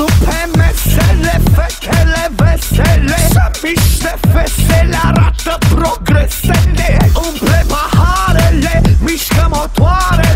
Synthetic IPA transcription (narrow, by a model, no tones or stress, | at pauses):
upʰɛmɛsɛlɛfɛkʰɛlɛvɛsɛlɛmiʃd̪ɛfɛsɛlaɾat̪ːəpɾoɡɾɛsɛleupʰɾɛbahaɾɛlemiʃkəmot̪waɾɛ